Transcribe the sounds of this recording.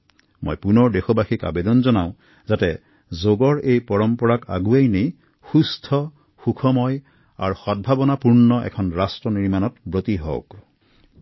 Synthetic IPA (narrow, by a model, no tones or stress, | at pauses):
mo̰jpunɔɹdexɔbaxika̰bedɔnzɔnaʊ | zatɛ | zoɡɔɹejpɔɹɔmpɔɹaka̰ɡuejnej | xustʰɔ | xukʰɔmɔj | a̰ɹxɔd̚bʱabɔnapuɹnɔʔɛ̰kʰɔnɹastɹɔniɹmanɔtbɹotiɦɔ̰k